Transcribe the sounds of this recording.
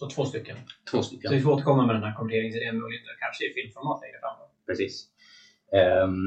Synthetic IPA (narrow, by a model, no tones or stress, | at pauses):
sɔt̪ʰvoːst̪ʏkːənt̪ʰvoːst̪ʏkːsvɪfɔoːt̪əɾkʰɔmːamɛd̪ɛnhæːɾkʰɔmɪneːɾɪŋsɛmːlɪheːt̪əkʰanʂəɪfɪlmfɔɾmaːt̪ʰɛŋkːəfɾamfɔpʰɾɛsiːs | ɛ